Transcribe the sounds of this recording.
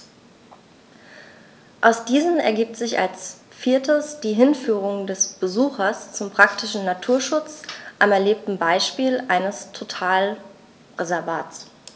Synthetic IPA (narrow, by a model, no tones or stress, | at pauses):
ʔaʊsd̥iːzənɛ̰ɐɡiːp̚tz̥ɪça̰ls | fiːɐtʰəsd̥iːɦɪnfyːʁ̞ʊŋdɛsb̥əzuːxɐst͡sʊmpʁ̥ak̚tɪʃn̩natʰuːɐʃʊt͡sʔamɛɐleːp̚tn̩baɪʃpiːlʔaɪnəstʰotʰaːl | ʁezɛɐva̰ːtt͡s